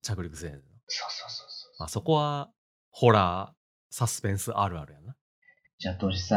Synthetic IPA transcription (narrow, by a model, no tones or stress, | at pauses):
t͡ɕakɯ̟ɾʲikɯ̟sẽɨnosoːsoːso̥maso̞ko̞βa | ho̞ɾa | sasɨ̥pẽ̞ɰ̃sɨʔaɾɯ̟a̰ɾɯ̟janːa | d͡ʑat̪oɾʲisa